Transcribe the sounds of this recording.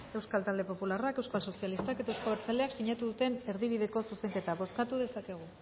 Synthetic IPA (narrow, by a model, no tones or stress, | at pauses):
e̞wskalt̪ald̪e̞po̞pularakewskalso̞sialist̪ake̞t̪aewskaβeɾt͡saleaksiɲat̪uðut̪e̞ne̞ɾðiβ̞iðe̞ko̞suse̞ŋke̞t̪aβo̞skat̪uðe̞sake̞ɣ̞u